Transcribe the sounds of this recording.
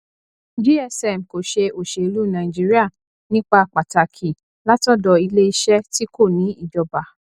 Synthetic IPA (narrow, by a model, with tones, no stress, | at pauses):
d͡ʒi˦ɛ˧sɛ˨m̩˨ko˨ʃe˧o˨ʃe˨i˧lu˦nã˨i˨d͡ʒi˦ɾi˦a˦˨ | nĩ˦k͡pa˧˨k͡pa˨ta˨kʰi˨ | la˦tɔ˦˨dɔ˧i˧le˦i˧ʃɛ˦ti˦ko˦˨nĩ˨˦i˦˨d͡ʒɔ˨ba˨